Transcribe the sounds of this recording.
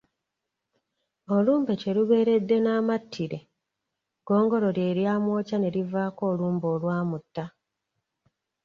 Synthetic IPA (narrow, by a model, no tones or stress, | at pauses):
oluːmbece̞ɾuβe̞ːɾe̞dːe̞naːmatʰːiɾe̞ | ɡ̥o̞ːŋɡo̞ɾo̞ɾje̞ːɾjaːmwo̞ːcane̞ɾivaːko̞ːluːmbo̞ːlwaːmutːa